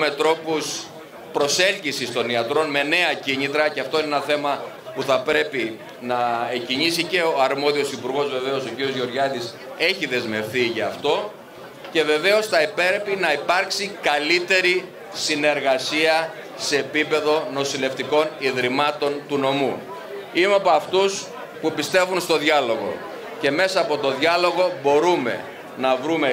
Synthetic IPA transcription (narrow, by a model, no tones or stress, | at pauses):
me̞t̪ɾo̞pus | pɾo̞se̞lcisist̪o̞niɐt̪ɾo̞nme̞ne̞ɐciɲit̪ɾɐceɐft̪o̞inenɐθe̞mɐ | puθɐpɾe̞pi | nɐeciɲisice̞oɐɾmo̞ðio̞sipuɾɣo̞zve̞ve̞o̞so̞ciɾio̞zʝo̞ɾʝɐt̪is | e̞çiðe̞zme̞fθiʝɐːft̪o̞ | ce̞ve̞ve̞o̞sθɐipe̞ɾepinɐipɐɾksikɐlit̪e̞ɾi | sine̞ɾɣɐsiɐ | se̞ːpipe̞ðo̞no̞sile̞ft̪iko̞niðɾimɐt̪o̞nt̪uno̞mu | imeɐpoɐft̪us | pupist̪e̞vunst̪o̞ðʝɐlo̞ɣo̞̰ | ce̞me̞sɐːpo̞t̪o̞ðʝɐlo̞ɣo̞bo̞ɾume̞̰ | nɐvɾume